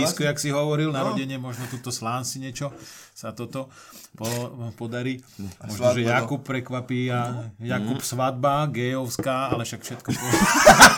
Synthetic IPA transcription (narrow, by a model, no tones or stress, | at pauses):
iskɔjaksiɦɔʋɔɾilnaɾɔɟɛɲɪɛmɔʒnɔt̪ut̪ɔslaːnsiɲɪɛt͡ʃɔsat̪ɔt̪ɔ | pɔpɔd̪aɾiː | mɔʒɔʒɛjakuppːɾɛkʋapiːajakupsʋad̪̚baɡɛːjɔʊskaːalɛfʃakfʃɛt̪kɔpɔɛa